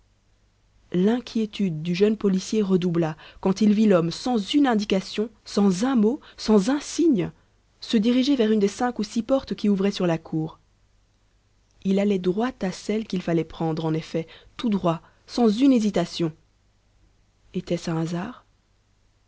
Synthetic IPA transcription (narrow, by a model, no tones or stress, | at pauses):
lɛ̃kʲʰjet̪yd̪̚ːyʒənpɔlisjeʁəd̪ublakɑ̃t̪ilvilɔmsɑ̃zynɛ̃d̪ikasjɔ̃sɑ̃zɛ̃mosɑ̃zɛ̃siɲ | səd̪iʁiʒevɛʁynd̪esɛ̃kusipɔʁt̪kʲiuvʁɛsyʁlakʰuːʁ | ilalɛd̪ʁwat̪asɛlkʲilfalɛpχɑ̃d̪ʁɑ̃nefɛt̪ud̪ʁwa | sɑ̃zynezit̪asjɔ̃ | et̪ɛsɛ̃azaːʁ